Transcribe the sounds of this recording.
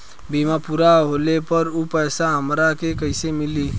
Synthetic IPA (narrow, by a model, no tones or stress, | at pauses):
bimapuːɾaɦolepəɾupɛːsaɦəmɾakekəɪsemɪli